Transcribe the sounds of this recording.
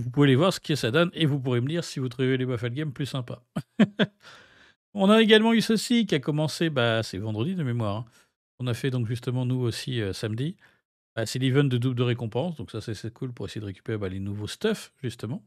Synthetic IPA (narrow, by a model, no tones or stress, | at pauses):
vupuvelevwaʁsə̥kʲiɛsad̪ɔnevup̬uʁeməd̪iʁsivut̪χuvelebafalɡamplysɛ̃pa | ɔ̃naeɡalmɑ̃ysəsik̬ʲiakɔmɑ̃sebasɛvɑ̃d̪ʁəd̪id̪əmemwaʁɛ̃ | ɔ̃nafɛd̪ɔ̃kʒyst̪əmɑ̃nuosiøsamd̪i | b̥asɛlivɛ̃t̪̚d̪əd̪ubd̪əʁekɔ̃pɑ̃sd̪ɔ̃ksasɛsɛkʰulpuʁesejedəʁekʲy̥peʁebalenuvost̪ɔfʒyst̪əmɑ̃